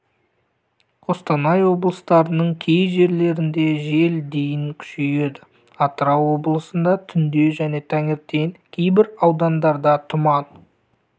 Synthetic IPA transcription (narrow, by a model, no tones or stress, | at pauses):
ost̪ɑnɑjwo̞blˠəst̪ɑɾənəɴkʲʰe̞jʒe̞ɾle̞ɾɪnd̪e̞ʒe̞ld̪e̞jɪŋkʲʰʏ̥ʃeje̞d̪ɪ | ɑt̪əɾɑwo̞blˠəsənd̪ɑt̪ʰʏnd̪e̞ʒæne̞t̪ʰæŋɪɾt̪e̞ŋkʲʰe̞jbɪɾɑwd̪ɑnd̪ɑɾd̪ɑt̪ʰʊmɑn